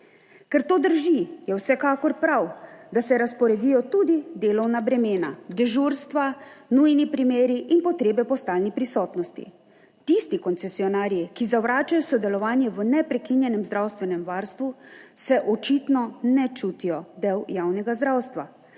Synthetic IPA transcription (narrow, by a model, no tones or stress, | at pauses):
kɛɾt̪oːd̪əɾʒijɛwsɛkaːkɔɾpɾawd̪asɛɾaspɔɾɛd̪ijɔt̪uːd̪id̪eːlɔwnabɾɛmeːnad̪ɛʒuɾst̪ʋanujnipɾimeːɾiʔinpɔt̪ɾeːbɛpɔst̪aːlnipɾisɔːt̪nɔst̪ḭ | t̪ist̪ikɔnsɛsiɔnaːɾjikizaʋɾaːt͡ʃajɔsɔd̪ɛlɔʋaːnjɛʋənɛpɾɛkinjɛnɛmzd̪ɾawst̪ʋɛnɛmʋaɾst̪ʋusɛʔɔt͡ʃit̪nɔnɛt͡ʃuːt̪ijɔd̪ɛwjaːwnɛɡazd̪ɾawst̪ʋa